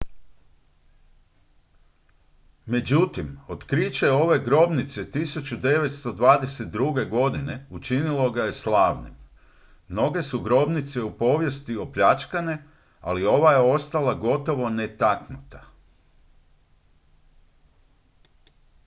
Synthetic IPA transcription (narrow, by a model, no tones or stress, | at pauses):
me̞d͡ʑut̪imo̞t̪kɾit͡ɕeo̞ʋe̞ɡɾo̞bnit̪set̪isut͡ɕud̪e̞ʋe̞t̪st̪o̞d̪ʋaːd̪e̞set̪̚d̪ɾuɡe̞ɡo̞d̪ine̞ut͡ʃinilo̞ɡaje̞slˠaːʋnḭm | mno̞ɡe̞suɡɾo̞bnit̪se̞upo̞ːʋje̞st̪io̞pʎat͡ʃkane | a̰lio̞ʋajeo̞st̪alaɡo̞t̪o̞ʋo̞ne̞t̪aknut̪a